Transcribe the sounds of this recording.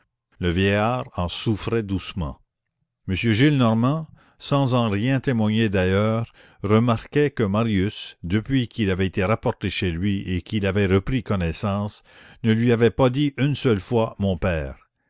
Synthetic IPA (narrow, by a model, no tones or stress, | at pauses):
ləvjɛjaʁɑ̃sufʁɛd̪usmɑ̰̃ | məsjøʒilnɔʁmɑ̃ | sɑ̃zɑ̃ʁjɛ̃t̪emwaɲed̪ajœːʁː | əmaʁkɛkəmaʁjysd̪əpɥikilavɛtet̪eʁapɔʁt̪eʃelɥiekilavɛʁəpʁikɔnɛsɑ̃ːs | nəlɥiavɛpad̪iʔynsœlfwamɔ̃pɛːʁ